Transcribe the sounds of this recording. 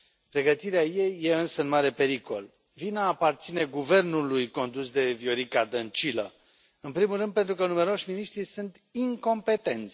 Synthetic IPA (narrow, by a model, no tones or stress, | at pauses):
pɾe̞ɡət̪iɾeaje̞jːe̞ɨnsəɨnmaɾe̞pe̞ɾiko̞l | vinaːpart̪sine̞ɡuve̞rnulujko̞nd̪usd̪e̞vjo̞ɾikad̪ənt͡ʃilə̰ | ɨnpɾimulrɨnpent̪ɾukənume̞ɾo̞ʃʲminiʃt̪ɾisunt̪ | iŋko̞mpe̞t̪e̞nt̪sʲ